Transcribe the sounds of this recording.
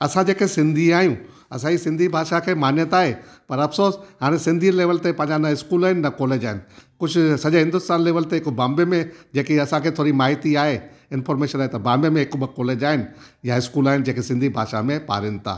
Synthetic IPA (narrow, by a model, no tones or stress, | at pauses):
ɐsãd͡ʑeːkesɪ̃nd̪ʱiaːɦijũ | ɐ̰sãisɪ̃nd̪ʱibʱaːʃakʰeːmaːnjət̪aːɦepɐɾɐfsoːsɦaːɾ̃ẽsɪ̃nd̪ʱileːʋəlt̪epɐ̃ɦɪ̃ɲd͡ʑanɐɪskuːlaːɦɪnɪnɐkɔːleːd͡ʑaːɦɪnɪ̆kʊd͡ʑʱʊsɐʄɦɪ̃nd̪ʊst̪aːnleːʋəlt̪eɦɪkbãːmbemẽd͡ʑeːkiɐsãkʰeːt̪ʰoːɾimaːɦɪt̪iaːɦe | ɪnfɔːɾmeːʃənaːɦet̪ɐbãːmbemẽɦɪkbəkɔːleːd͡ʑaːɦɪnɪ̆ | jaɪskuːlaːɦɪnɪd͡ʑeːkʰesɪ̃nd̪ʱibʱa̰ːʃamẽpa̰ːɾɪnɪ̆t̪ʰa̰ː